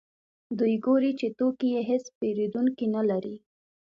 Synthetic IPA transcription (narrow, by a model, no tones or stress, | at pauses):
d̪ujɡoɾit͡ʃet̪okijeɦɪspeɾed̪uŋkinalaɾi